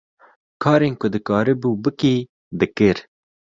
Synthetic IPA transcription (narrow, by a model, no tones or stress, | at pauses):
kʰɑːɾeːnkʊd̪ɨkɑːɾɨbuːbɨkiː | d̪ɨkɨɾ